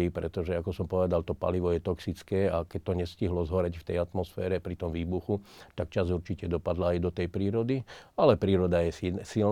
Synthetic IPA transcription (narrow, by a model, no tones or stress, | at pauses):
ipɾɛt̪ɔʒɛakɔsɔmpɔʋɛd̪alt̪ɔpa̰liʋɔjɛt̪ɔksit͡skɛːakɛc̚t̪ɔɲɛsciɦlɔzɦɔɾɛcft̪ɛjat̪mɔsfɛːɾɛpɾit̪ɔmʋiːbuxut̪akt͡ʃazuɾt͡ʃicɛd̪ɔpad̪laajd̪ɔt̪ɛjpɾiːɾɔd̪ialɛpɾiːɾɔd̪ajɛsil